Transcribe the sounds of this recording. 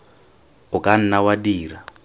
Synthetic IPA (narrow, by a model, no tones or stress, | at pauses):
ʊkʼan̩nawadiːɾa